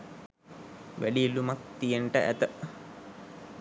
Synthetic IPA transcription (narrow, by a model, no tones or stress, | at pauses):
ʋælilumak̚t̪ijənʈəʔæ̰t̪ə